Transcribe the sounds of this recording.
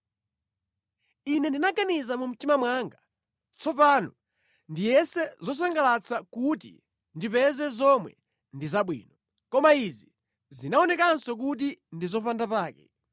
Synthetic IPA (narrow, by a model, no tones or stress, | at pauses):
inɛndinaɡanizamum̩timamwaːŋɡa | t͡sʰɔpaːnɔ | ndijɛsɛzɔs̬aŋɡalat͡sʰakutḭ | ndipɛzɛzɔmwɛ̰ | ndizaɓwḭːnɔ | kɔmaizi | zinaɔnɛkansɔk̬ut̬indizɔpandapaːkɛ